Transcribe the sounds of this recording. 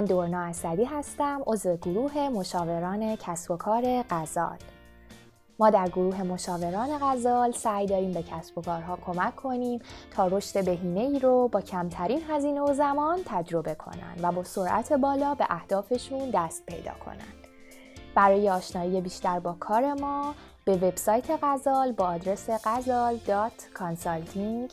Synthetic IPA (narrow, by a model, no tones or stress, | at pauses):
mænd̪oɾnɒːæsæd̪iːɦæst̪æmʔo̞zve̞ɡoɾuːɦe̞mo̞ʃɒːve̞ɾɒːne̞cʰæsb̥o̞kʰɒːɾe̞ɢæzɒ̰ːl | mɒːd̪æɾɡoɾuːɦe̞mo̞ʃɒːveɾɒːne̞ɣæzɒːlsæːjd̪ɒːɾiːmbe̞cʰæsb̥okʰɒːɾɦɒːkʰo̞mæcʰːo̞niːmt̪ʰɒːɾo̞ʃt̪e̞be̞ɦiːne̞iːɾobɒːcʰæmt̪ʰæɾiːnɦæziːne̞o̞zæmɒːnt̪ʰæd͡ʒɾo̞be̞kʰo̞̰næ̰nd̪væbɒːso̞ɾʔæ̰t̪ʰe̞bɒːlɒːbe̞̰ʔæhd̪̥ɒːfe̞ʃund̪æst̪̚pʰe̞̰jd̪ɒ̰ːkʰo̰næ̰nd̪̥ | bæɾɒːje̞ɒːʃnɒːije̞biːʃt̪æɾbɒːkʰɒːɾe̞mɒː | b̥e̞ve̞b̥sɒːjt̪ʰe̞ɣæzɒːlbɒːd̪ɾe̞seɣæzɒːld̪ɒːt̪ʰkʰɒnsɒlt̪ʰiŋ